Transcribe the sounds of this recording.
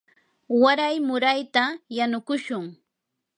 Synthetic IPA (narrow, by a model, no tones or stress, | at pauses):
waɾajmʊɾajt̪ajanʊkʊʃʊŋ